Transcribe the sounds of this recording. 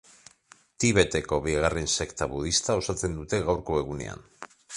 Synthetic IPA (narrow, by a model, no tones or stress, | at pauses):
t̪iβe̞t̪e̞ko̞βiɣarense̞kt̪aβuð̞ist̪ao̞sat͡se̞nd̪ut̪e̞ɣawɾko̞e̞ɣune̞̰a̰n